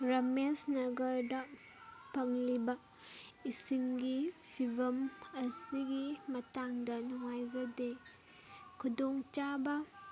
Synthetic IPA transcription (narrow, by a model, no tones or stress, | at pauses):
ɾɐmesnɐɡɐɾdɐ | pɐŋlibɐk | isimɡipʰibɐmɐsiɡimɐtaŋdɐnuŋajzɐde | kʰudoŋt͡ʃabɐ